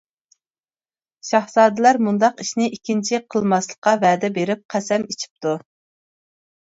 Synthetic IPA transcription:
ʃɑhzɑːd̪ɛlæɾmund̪ɑqiʃnɪʔikʲʰːint͡ʃʰiqʰəlˠmɑslˠə̥qːɑvæːd̪ɛbeɾɪp̚qʰæsɛmit͡ʃʰi̥p̚t̪ʰu

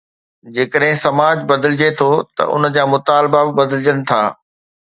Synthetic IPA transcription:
d͡ʑeːkəɗɦɪ̃sɐmaːd͡ʑbɐd̪əlɪd͡ʑet̪ʰot̪ɐ̰ʔʊ̰n̆d͡ʑaːmʊt̪aːlbabɪbɐd̪əlɪd͡ʑənɪ̆t̪ʰa̰ː

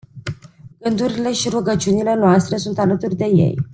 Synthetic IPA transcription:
ɡɨnd̪uɾile̞ʃiɾuɡət͡ʃiunile̞noast̪ɾe̞sunt̪alət̪urʲd̪e̞je̞̰j

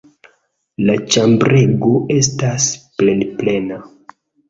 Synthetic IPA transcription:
lat͡ʃambɾeɡo̞e̞stasplelple̞na

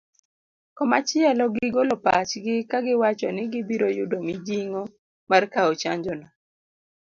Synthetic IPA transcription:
kɔmat͡ʃɪɛlɔɡɪɡolopa̰t͡ʃɡɪkaɡɪwat͡ʃɔnɪɡɪbiɾojʊdomɪd͡ʒiŋo | markaɔt͡ʃaɲd͡ʒɔnɔ

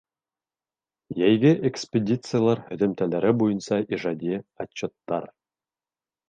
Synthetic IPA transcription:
jæjɡʲɘʔekspʲedʲit̪sɨjalˠɑɾhɵ̆ðɘ̆mt̪ælæɾɘbujɤ̆nsɑʔiʐɑd̪ʲiɑt͡ɕːot̪ːɑ̰r

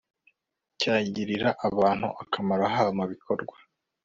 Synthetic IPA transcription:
caːɟiɾiɾaʔaβaːn̥hṵʔakʰamaɾaɦaβmuβikʰo̞ɾɡwḁ

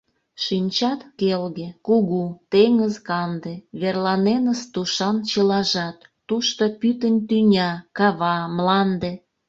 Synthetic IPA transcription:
ʃinʲt͡ɕɑt̪kelɣekuɣut̪eŋəzkɑnd̪eβerlɑnenəst̪uʃɑnt͡ɕəlɑʒɑt̪ːuʃt̪opyt̪ənʲt̪ynʲɑkɑβɑmlɑnd̪e

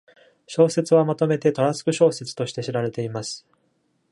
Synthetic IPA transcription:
ɕo̞ːse̞t͡sɨβamat̪o̞me̞t̪e̞t̪o̞ɾasɨ̥kɯ̟ɕo̞ːse̞t͡sɨ̥t̪o̞ɕi̥t̪e̞ɕiɾaɾe̞t̪e̞imasɨ̥

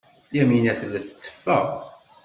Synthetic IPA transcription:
jæminæθlːæθə̥t͡sːə̥fːæ̰ʁ

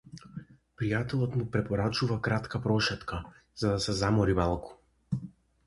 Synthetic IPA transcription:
pɾijat̪ɛlˠɔt̪mupɾɛpɔɾat͡ʃuvakɾat̪kapɾɔʃɛt̪kʰa | z̥ad̪asɛzamɔɾimalˠku̥

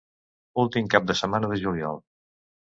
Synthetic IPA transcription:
ulˠt̪imkap̚d̪əsəmanəðəʒuliɔ̰lˠ

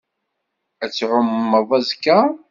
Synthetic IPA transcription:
æt͡sːʕʊmːəðˤæzkːa

